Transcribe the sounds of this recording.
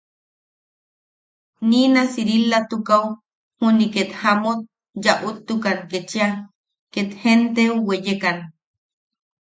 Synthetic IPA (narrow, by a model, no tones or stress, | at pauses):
ninasiɾilat̪ukaw | huniket̪hamot̪̚ | jaʔut̪ːukanket͡ʃia | ket̪hent̪euwejekan